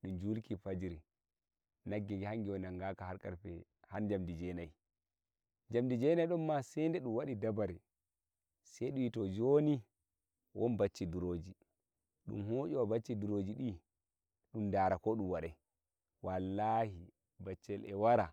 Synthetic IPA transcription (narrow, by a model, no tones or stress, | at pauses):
ɗumd͡ʒulkifad͡ʒiɾi | naɡːiɡɛhaŋɡiwɔnaŋɡakahaɾkʼaɾpɛ | hand͡ʒamdid͡ʒɛnaj | d͡ʒamdid͡ʒɛnajɗɔmːasɛndɛɗumwaɗidabaɾi | sɛjɗuitɔd͡ʒoni | wʔɔnbat͡ʃːiduɾod͡ʒi | ɗṵmhoːt͡ʃɔwabat͡ʃːiduɾod͡ʒiɗi | ɗumdaɾakɔɗumwaɗɛ | walːahi | bat͡ʃːɛlʔɛwaɾa